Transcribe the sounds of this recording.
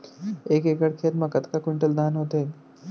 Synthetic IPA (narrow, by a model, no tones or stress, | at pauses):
eːkekəɽkʰet̪məkət̪kakwiɳʈəld̪anɦoːt̪e